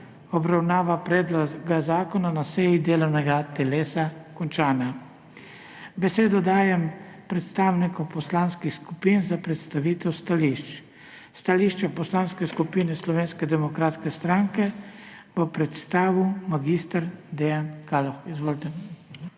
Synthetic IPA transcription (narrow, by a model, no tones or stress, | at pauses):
ɔbɾawnaːʋapɾɛːd̪lɔɡazaːkɔnanasɛjid̪eːlɔwnɛɡat̪ɛleːsakɔnt͡ʃaːnja | bɛseːd̪ɔd̪aːjɛmpɾɛt̪st̪aːwnikɔpɔslaːnskixskupinzapɾɛt̪st̪aʋiːt̪ɛwst̪aliʃt͡ʃ | st̪aliʃt͡ʃapɔslaːnskɛskupiːnɛslɔʋeːnskɛd̪ɛmɔkɾaːt̪skɛst̪ɾaŋkɛ | b̥ɔpɾɛt̪st̪aːʋiwmaɡist̪aɾd̪ɛjankaːlɔxizʋoːlt̪ɛ